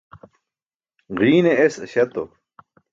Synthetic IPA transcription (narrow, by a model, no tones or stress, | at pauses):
ʁiːneesɕɐt̪o̰